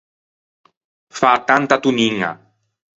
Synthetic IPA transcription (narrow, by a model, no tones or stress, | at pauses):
fat̪ant̪at̪uniŋa̰